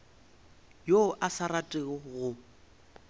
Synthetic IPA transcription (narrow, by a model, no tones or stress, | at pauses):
joʔasaratʼɪɣɔɣʊ